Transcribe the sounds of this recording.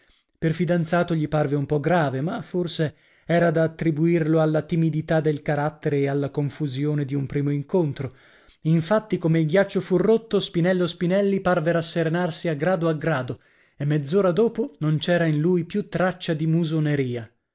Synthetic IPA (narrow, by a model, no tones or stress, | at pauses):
perfid̪ant̪saːt̪oʎiparveumpɔɡɾaːvemaforse | ɛːɾad̪aːt̪ːɾibuirloalːat̪imid̪it̪ad̪elkaɾat̪ːeɾeːalːakoɱfuzjoːned̪iumpɾiːmoiŋkont̪ɾo | iɱfat̪ːikomeilɡjat͡ʃːofurːot̪ːospinɛlːospinɛlːiparveɾasːeɾenarsiaɡɾaːd̪oaɡɾaːd̪o | emːed̪zːoːɾad̪oːponont͡ʃɛːɾainlujpjut̪ːɾat͡ʃːad̪imuzoneɾiːa